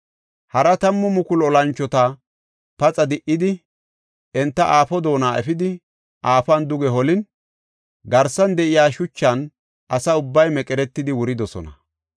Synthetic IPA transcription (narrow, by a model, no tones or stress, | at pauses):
hɐɾɐt̪ɐmːɔmʊkʊlɔlɐnt͡ʃːɔt̪ɐ | pɐt͡sʼɐd̪ɪʔɪd̪ɪ | ʔɛnt̪ːɐʔaːfɔd̪o̞ːnaːʔɛfɪd̪ɪ | ʔaːfɐnd̪ʊɡɛɦɔlɪn | ɡɐɾsɐnd̪ɛʔɪjaːʃʊt͡ʃːɐn | ʔɐsɐʊbːɐjmɛkʼɛɾɛt̪ːɪd̪ɪwʊɾɪd̪ɔsɔ̰nɐ